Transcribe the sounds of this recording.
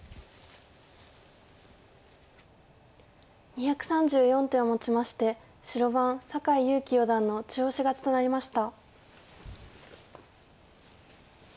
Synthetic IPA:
ɲ̟içakɯ̟̥sãɲ̟d͡ʑɨːjõ̞nt̪ẽ̞ɰomo̞t͡ɕimaɕi̥t̪e̞ | ɕiɾo̞βãɰ̃sakaijɯ̟ːkʲijod̪ãnːo̞t͡ɕioːɕiɡat͡ɕi̥t̪o̞naɾʲimaɕi̥t̪a

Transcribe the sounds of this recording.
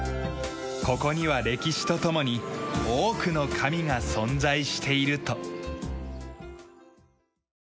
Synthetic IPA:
ko̞ko̞ɲ̟iβaɾe̞kʲiɕi̥t̪o̞t̪o̞mo̞ɲ̟ioːkɯ̟no̞kʰamʲiŋasõ̞nd͡zaiɕi̥t̪ʰe̞iɾɯ̟t̪o̞

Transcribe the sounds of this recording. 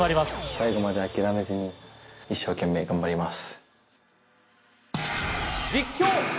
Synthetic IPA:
aɾʲimasɨ̥saiɡo̞mad̪e̞akʲiɾame̞zɨɲ̟iiɕːo̞ːkẽ̞mːe̞ːɡãmbaɾʲimasɨ̥ | d͡ʑikʲːoː

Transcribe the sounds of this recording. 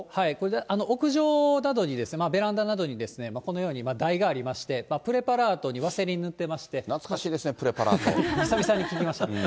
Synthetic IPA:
haikoɾed̪eʔanookɯ̟ʑo̞ːnad̪o̞ɲ̟id̪e̞sɨnemabe̞ɾãnd̪anad̪o̞ɲ̟id̪e̞sɨne̞mako̞nojo̞ːɲ̟imad̪aiɡaːɾʲimaɕi̥t̪e̞mapɯ̟ɾe̞paɾaːt̪o̞ɲ̟iβaseɾʲeɲ̟inɯt̪ːe̞maɕi̥t̪e̞nat͡skaɕiːd̪esɨnepɯ̟ɾe̞paɾa̰ːt̪o̰isabʲisãɲ̟ːikʲikʲimaɕi̥t̪a

